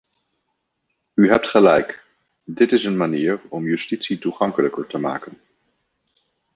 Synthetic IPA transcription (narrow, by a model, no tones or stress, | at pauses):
yɦɛp̚tχəlɛjk | dɪtɪsənmaniːɹɔmjystitsituχɑŋkələkəɹtəma̰ːkən